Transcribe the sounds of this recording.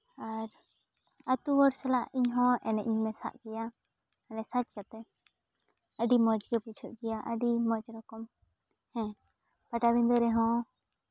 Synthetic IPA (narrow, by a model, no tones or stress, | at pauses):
aɾ | at̪uwɔɽsɛlaʔiɲɦɔ̃ʔɛnɛʔiɲmɛsa̰ʔɡɛja | ənɛsat͡ʃkat̪ɛ | əɖimɔd͡ʒɡɛput͡ʃʰɔʔɡɛjaʔəɖimɔd͡ʒɾɔkɔm | hɛ̃ | paʈabind̪ɔɾɛɦɔ̃